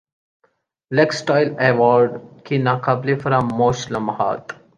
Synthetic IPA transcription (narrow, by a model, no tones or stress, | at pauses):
leksʈaːjleʋɔːɾɖkinaqɐblifɐɾamoːʃlɐmha̰ːt̪